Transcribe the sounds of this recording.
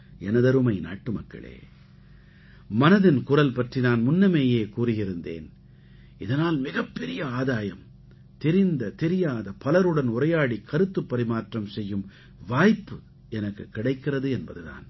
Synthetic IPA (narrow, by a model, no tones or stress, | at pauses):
ɛnɐðɐɾɯmɐɪna̰ːʈːɯmɐkːɐ̰ɭḛː | mɐnɐðɪnkʊrɐlpɐʈrinaːnmʊnːɐmeːjeːkuːrɪɣɪɾɯnd̪ḛːn | ɪðɐnaːlmɪɣɐpːɛɾɪjɐaːðaːjɐm | t̪ɛɾɪnd̪ɐt̪ɛɾɪjaːðɐpɐlɐɾɯɽɐnʊɾrɐjaːɽikʰɐɾɯt̪ːɯpːɐɾɪmaːʈrɐmsɛjːɯm | ʋaːjpːɯ | ɛnɐkːɯkːɪɽɐɪkːɪrɐðɯɛnbɐðɯða̰ːn